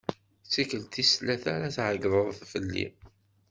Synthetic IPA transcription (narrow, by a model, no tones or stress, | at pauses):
t͡sːikəlt̪islæθaɾaθʕəɡðˤəðˤθfəlːḭ